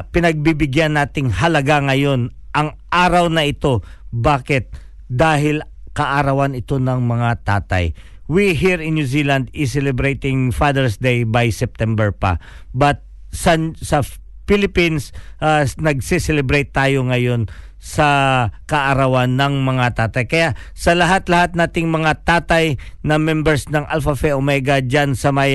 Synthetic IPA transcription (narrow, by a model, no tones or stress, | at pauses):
pɪnɐɡ̚bibɪɡjanːaːt̪ɪŋhɐlɐɡaŋɐjo̞nʔɐŋʔaːɾɐwnɐʔɪt̪o̞baːkɪt̪̚ | d̪aːɦɪl | kɐʔaɾɐwanɪt̪o̞nɐŋmɐŋat̪aːt̪ɐ̰j | wiɦiɹɪ̃njuzilɐnd̪ɪs̬ɛlɛbɾejt̪ɪŋfad̪ɛɹsd̪ejbajsɛp̚t̪ɛmbɛɹpɐ̰ | bɐt̪̚ | sɐsɐ | filɪpinsʔanɐɡ̚sisɛlɛbɾejt̪ːaːjo̞ŋɐjo̞n | sɐkɐʔɐɾɐwanːɐŋmɐŋat̪aːt̪ɐjkɐjaʔsɐlɐɦat̪lɐhat̪̚naːt̪ɪŋmɐŋat̪aːt̪ɐjnɐmɛmbɛɹsnɐŋʔa̰lfɐfɛʔomɛɡɐd͡ʒansɐmɐj